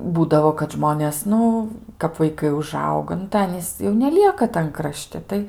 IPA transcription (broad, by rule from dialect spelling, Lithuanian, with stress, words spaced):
ˈbuːdɐʋoː kɐt ˈʒmoːnʲeːs ˈnʊ kɐp ʋɐɪˈkɐɪ ʊˈʒɐʊɡɐ nʊ tɐɪ ˈɑːnʲiːs jɛʊ nʲɛˈlʲiɛkɐ tɐn krɐˈʃʲtʲɪ ˈtɐɪ